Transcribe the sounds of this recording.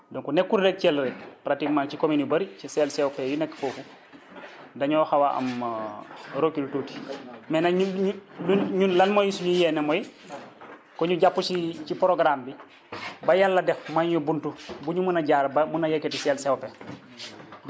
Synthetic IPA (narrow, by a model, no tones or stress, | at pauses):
doŋkunekːuɾɾɛk̚cɛlɾɛkpɾatikmaŋcikominibɐɾcisɛlsɛwpejunɛkːfoːfu | dɐɲɔxawaʔɐ̰m | ɾokiltuti̥mɛnauuluɲunlɐnmojisuɲujɛnemoji | kɔɲuɟapːusit͡ʃipɾoɡɾambi | bɐjalːɐdɛfmaɲɲubuntubuɲumunaɟaːɾbamunajekːetisɛlsɛwpe